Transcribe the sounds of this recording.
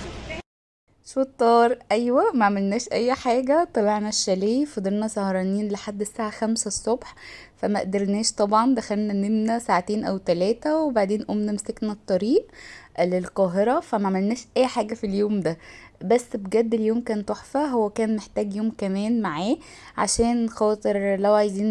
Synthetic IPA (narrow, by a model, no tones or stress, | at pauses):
ʃot̪ˤːɑːɾˤʔæjwæmæʕamelnæːʃʔæjːħaːɡæt̪ˤɑliʕnæʃːæliːfɑd̪eɾnæsɑhɾˤɑːniːnleħad̪ːsaːʕaxæmsæsˤːobħfæmæʔd̪ɑɾnæːʃt̪ˤɑbʕɑnd̪æxælnænemnæsaʕat̪eːnʔæwt̪ælæːt̪æwebaʕd̪eːnʔomnæmseknæt̪ˤːɑɾiːʔlelqɑːɦeɾˤɑfæmæʕamelnæːʃʔæjːħaːɡæfiljoːmd̪æbæsːbeɡæd̪ːeljoːmkæːnt̪ˤoħfæɦowːækæːnmeħt̪æːɡjoːmkæmæːnmaʕaː | ʕa̰ʃæːnxɑːt̪ˤeɾlæwʕajziːn